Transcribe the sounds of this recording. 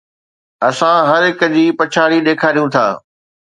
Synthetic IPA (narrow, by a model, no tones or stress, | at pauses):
ɐsãɦɐɾɦɪkə̆d͡ʑiːpɐt͡ɕʰaːɽiɗ̪eːkʰaːɾijũt̪ʰa̰ː